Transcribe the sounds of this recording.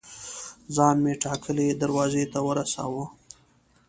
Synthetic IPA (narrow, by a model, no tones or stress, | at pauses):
zɑnmeʈɑkʰəled̪aɾwɑzet̪awəɾasa̰wə